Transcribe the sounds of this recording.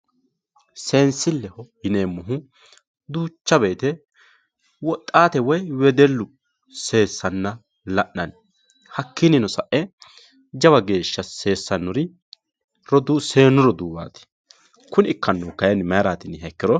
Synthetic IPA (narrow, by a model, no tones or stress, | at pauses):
seːnsːɪlːɛhɔhɪneːmːɔɦʊ | d̪uːt͡ʃːɐbe̞ːt̪ɛ | wɔt̪ʼːaːt̪ɛwɔjwɛd̪ɛlːʊ | se̞ːsːɐnːɐ | lɐʔɐn | hɐkʰːɪnɪnɔsɐʔɛ | d͡ʒɐβɐɡe̞ːʃːɐse̞ːsːɐnːɔɾɪ | ɾɔd̪use̞ːnːʊɾɔd̪uːwa̰ːt̪ɪ̥ | kʊnɪɪkːɐnːɔkɐjɐnmɐjɾaːt̪ɪnhɛkːɪɾɔ